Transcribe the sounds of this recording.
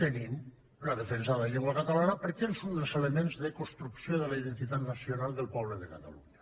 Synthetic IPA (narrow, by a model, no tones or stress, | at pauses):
t̪enim | laðefensaʎeŋɡwakat̪alanapəɾkelˠsund̪əlˠzelemenzðəkost̪ɾuksjoðəlaiðent̪it̪at̪nasjonalˠd̪əlˠpɔβləðekat̪a̰lṵɲa